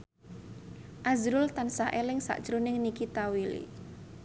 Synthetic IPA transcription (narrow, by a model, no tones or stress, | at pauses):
ʔazɾʊlt̪ansaʔelɪŋsa̰ʔd̥ʒ̥ɾunɪŋnikit̪awilḭ